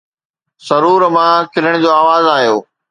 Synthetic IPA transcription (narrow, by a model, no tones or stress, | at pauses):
sɐɾuːɾmãːkʰɪləɽ̃d͡ʑoːaːʋaːzaːɦijoː